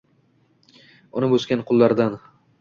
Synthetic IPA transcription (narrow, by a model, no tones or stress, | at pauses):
ʊnɪbɵzkʲanqʰʊlˠːaɾd̪an